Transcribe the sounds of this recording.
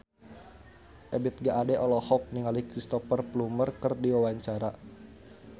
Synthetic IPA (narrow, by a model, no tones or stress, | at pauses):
ʔɛbit̪̚ɡaʔadɛʔɔlɔhɔk̚niŋalikɾist̪ɔfərplumərkərdiwawaɲt͡ʃaɾa